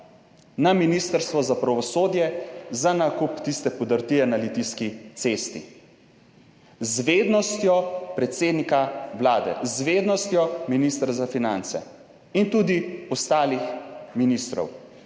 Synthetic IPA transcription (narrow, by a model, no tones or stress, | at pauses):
naminist̪əɾst̪ʋɔzapɾaʋɔsoːd̪jɛzanakupt̪ist̪ɛpɔd̪əɾt̪iɛnalit̪iskit̪sest̪ḭ | zʋeːd̪nɔst̪jɔpɾɛt̪sed̪nikawlaːd̪ɛ̰zʋed̪nɔst̪jɔminist̪ɾazafinant̪sɛ̰ | int̪uːd̪iɔst̪aːlixminist̪ɾɔ̰w